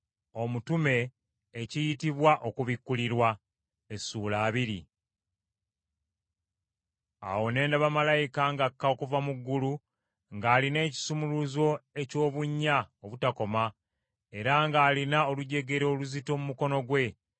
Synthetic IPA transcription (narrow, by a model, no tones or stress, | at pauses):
o̞mutume̞ː | cijitiβwaʔo̞kuβikːuliɾwa | esuːlaːβiɾḭ | a̰wo̞ne̞ːndaβamalajikaŋɡakːao̞kuvamuɡːulu | ŋɡaːline̞ːci̥sumuluzo̞e̞co̞ːβuɲːaoβutako̞ma | e̞ɾaŋɡaːlinaoluɟe̞ɡe̞ɾo̞ːluzito̞mumuko̞no̞ɡwe̞